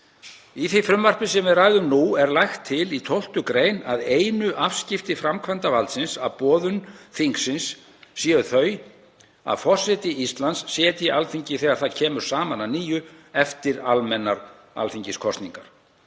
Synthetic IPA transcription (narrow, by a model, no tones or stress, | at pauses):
iθifɾʏmvar̥pɪsɛmvɪðraːjðʏmnuɛɾlajxt̪ʰːɪlit̪ʰowl̥t̪ʏkɾeːjnaðeːjnʏʔafscɪft̪ɪfɾamkʰvant̪avalt̪sɪnsapɔːðʏnθiŋksɪnsː | iːʏθœɥj | a̰ðfɔr̥sɛt̪ɪist̪lant̪sːjɛːt̪ialfiɲcɪθɛːɣaɾ̥θaðcʰɛːmʏɾ̥saːmananiːjʏɛft̪ɪɾalmɛnːaɾ | a̰lfiɲcɪskʰɔst̪niŋkaɾ̥